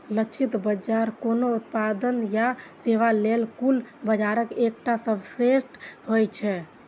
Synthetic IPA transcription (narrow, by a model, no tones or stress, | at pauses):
ləkt͡ʃʰit̪bəd͡ʒaɾkonout̪̚pad̪ənjaseʋalelkulbəd͡ʒaɾəkek̚ʈasəbʱsesʈɦojt͡ʃʰɛ